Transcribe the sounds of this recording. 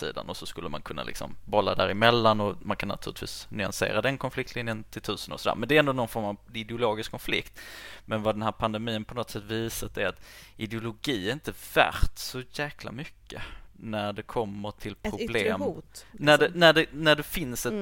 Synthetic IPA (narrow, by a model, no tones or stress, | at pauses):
sḭːd̪a̰nɔsɔskɵlːəma̰nkʰɵnːa̰lɪ̰ksɔ̰mbɔlːa̰d̪æ̰ɾɪmɛlːanɔmankʰanːat̪ʰʉ̟ːɾlɪt̪vḭːsnʏa̰nsḛːɾad̪ɛnkʰɔnflɪk̚t̪lɪnjənt̪ʰɪlt̪ʰʉ̟ːsəno̰ɾsɔd̪æ̰ːɾmɛnd̪ɛɾɛnd̪onɔnfɔɾmavɪd̪ɛʊloːɡɪskʰːɔnflɪ̰kt̪mɛnvad̪ɛnɦæːɾpʰand̪ɛmiːənpʰɔnɔt̪sɛt̪ːviːsat̪ɛat̪ɪd̪ɛʊlʊɡiːɛɾɪnt̪əvæ̰ɾt̪sɔjæːkʰla̰mʏkʰːənæɖɛkʰɔmːəʈʰɪlpʰɾʊblːeːmːnæɖɛnæɖɛnæɖɛfɪnsɛ